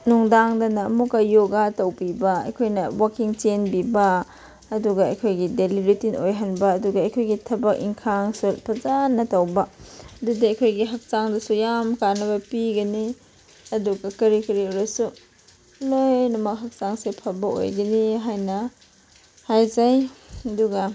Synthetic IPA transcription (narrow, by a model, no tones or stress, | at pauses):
nuŋdaŋdɐnɐːmukɐjoɡatɐwbibɐɐ̰jkʰojnɐwakiŋt͡ʃenbibɐ | ɐduɡɐɐjkʰojɡidelibɾitinojɦɐnbɐːduɡɐɐjkʰojɡitʰɐbɐk̚ḭŋkʰaŋsupʰɐzanːɐtɐwbɐdudiɐjkʰojɡiɦɐk̚saŋdɐsujamkanɐβɐpiɡɐni | ɐduɡɐkɐɾikɐɾioɾɐsu | lojnɐmɐk̚ɦɐk̚saŋsepʰɐbɐo̰jɡɐniɦajnɐ | hajzajɐduɡɐ